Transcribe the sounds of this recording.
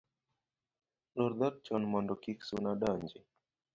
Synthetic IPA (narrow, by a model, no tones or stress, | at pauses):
lɔɾd̪at̚t͡ʃɔnmɔndɔkiksunaɗaɲd͡ʒi